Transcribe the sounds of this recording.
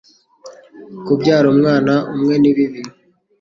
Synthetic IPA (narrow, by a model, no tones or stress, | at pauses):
kubɟaːɾomŋaːnaʔumŋe̞niβiβiɾu